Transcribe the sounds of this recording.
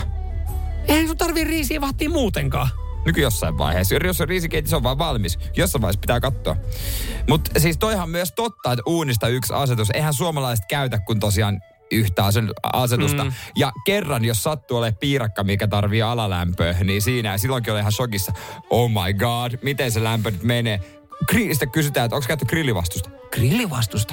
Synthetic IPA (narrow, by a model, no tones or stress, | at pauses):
enut̪ɑrʋiriːsiːʋɑːt̪ːiːmmuːt̪eŋkɑː | nykyjosːɑiʋʋɑ̰ihḛːsjorjosːeriːsikeit̪isoʋʋɑːʋʋɑlmis | josːɑiʋɑihespit̪æːkɑt̪ːoɑ̰mut̪siːst̪oihɑmmyøst̪ot̪ːɑet̪uːnist̪ɑyksɑ̰set̪useihænsuomɑlɑise̥t̪̚kæyt̪ækkunt̪osiɑːn | yht̪æɑsenɑset̪ust̪ɑjɑkerːɑnjosːɑt̪ːuoleppiːrɑkːɑmikæt̪ɑrʋiːɑlɑlæ̰mpøːhniːsiːnæɑsilːoŋkiolihɑnsokisːɑoːmɑjɡɑd̥mit̪enselæmpønyt̪meneː | kriːst̪ekkysyt̪æːet̪oŋkskæyt̪ːykrilːiʋɑ̰st̪ust̪ɑ̥ | krilːiʋɑst̪ust̪ɑ̥